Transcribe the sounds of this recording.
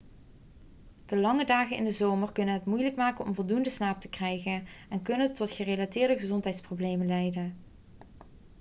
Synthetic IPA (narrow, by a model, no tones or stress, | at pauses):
d̥əlɑŋədaːχənɪndəzowmərkɵnənɦətmujləkmaːkənɔmvɔlˠdundəsnaːp̚təkrɛjχənɛnkɵnətɔtχərelatɪːɹdəχəzɔntɦɛjtsprowblejmənlɛjdən